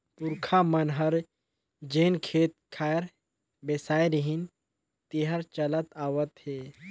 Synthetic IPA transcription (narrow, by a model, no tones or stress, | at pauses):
pʊɾkʰamɐnɦəɾ | d͡ʒeːnkʰeːt̪̚kʰaːɾ | besaːjɾiɦin | t̪iɦəɾt͡ʃɐlət̪aːwət̪heː